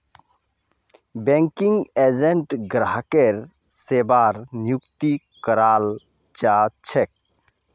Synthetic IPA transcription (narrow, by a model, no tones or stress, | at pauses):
beŋkiŋɡed͡ʒeɳʈɡɾaɦkeɾ | sebaɾnjukt̪i | kəɾaːl | t͡ʃat͡ʃʰek̚